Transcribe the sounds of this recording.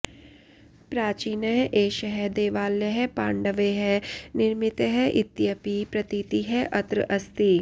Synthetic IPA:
pɾaːt͡ʃiːnəɦɛʔeːʃəɦɛd̪eːʋaːljəɦɛpãːɳɖəʋeɦɛnɪɾmɪt̪ɦɛʔɪt̪ːjəpipɾɐt̪iːt̪iɦɛʔɐt̪ɾə̰ʔɐst̪i

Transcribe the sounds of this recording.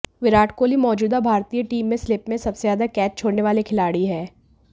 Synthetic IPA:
ʋɪɾaːʈʰkoːlimɔːd͡ʒuːd̪abʱaːɾt̪ijəʈiːmːẽslɪpmẽsɐbsezaːd̪akɛːt͡ʃt͡ʃʰoːɽneʋaːlekʰɪlaːɽiɦɛː

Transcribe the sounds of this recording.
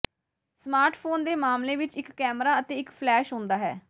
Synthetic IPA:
smaːɾʈpʰoːnd̪eːmaːmleːʋɪt͡ʃɪkːɛːmɾaːət̪eːɪkpʰlɛːʃɦʊ̃ːnd̪aːɦɛ̰ː

